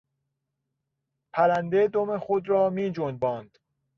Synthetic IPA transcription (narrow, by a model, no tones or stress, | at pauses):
pʰæɾænd̪ed̪omexod̪ɾɒːmiːd͡ʒon̚bɒːnd̪̥